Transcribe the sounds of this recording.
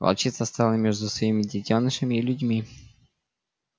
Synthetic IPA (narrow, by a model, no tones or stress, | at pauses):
pɐ̰lˠt͡ɕit̪səst̪alˠəmʲeʐd̪ʊsvɐimʲɪdʲɪtʲonːɨʂəmʲɪːlʲʊdʲmʲi